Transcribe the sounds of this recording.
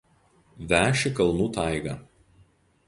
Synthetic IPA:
ʋʲæːʃʲɪkɐlˠnuːt̪ɑˑɪɡɐ

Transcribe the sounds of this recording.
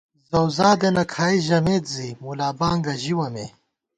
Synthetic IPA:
zɐwzaːd̪enɐkʰaːiʑɐmeːt̪zimulaːbaːŋɡɐʑiwɐmḛ

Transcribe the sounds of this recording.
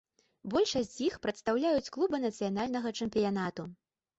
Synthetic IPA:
bɔlʲʂɐsʲt͡sʲjixpɾɐt̪st̪awlʲajut͡sʲklˠubɨnɐt̪sɨjanalʲnɐɣɐt͡ʂɛmpʲijan̪at̪u

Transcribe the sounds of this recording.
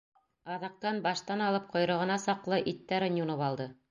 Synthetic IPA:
ɑðɑq̚t̪ɑnbɑʃt̪ɑnɑlˠɤp̚qʰŏjɾɤ̆ʁɤ̆nɑsɑqlˠɤʔit̪ːæɾɘ̆njunoβɑlˠd̪ɤ

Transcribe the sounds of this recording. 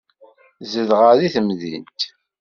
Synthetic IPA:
zəðʁəðiθəmðḭnt̪

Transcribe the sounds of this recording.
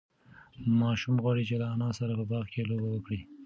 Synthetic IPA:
mɑʃumɣwɑɽit͡ʃelaanɑsaɾapəbɑɣkelobawəkɽi

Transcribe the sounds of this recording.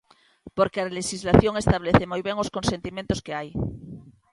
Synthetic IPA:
po̞ɾkealeʃizlaθjo̞ŋe̞st̪aβ̞leθemojβe̞ŋo̞sko̞nse̞nt̪imjent̪o̞ske̞aj

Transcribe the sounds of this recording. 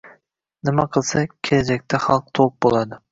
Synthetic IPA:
nɪmaqʰɨlˠsakʲʰelad͡ʒakʲt̪ʰaχɑlˠq̚t̪ʰoq̚bolˠad̪ɪ

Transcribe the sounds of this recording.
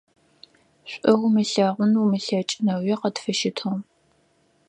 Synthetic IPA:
ɕʷʼʔɐwmɨɬaːʁʷʊnumɨɬaːt͡ʃʼɪnɐwɛqɐtfɨʃɪtʰom

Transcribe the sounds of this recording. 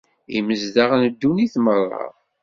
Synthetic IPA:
ḭməzd̪aʁnəd̪ːuniθmərˤːɑ̰ʁ

